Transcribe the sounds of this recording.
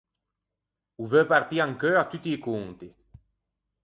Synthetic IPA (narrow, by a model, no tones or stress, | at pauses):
uvøpaɾt̪iaŋkøat̪yt̪iːkuŋt̪i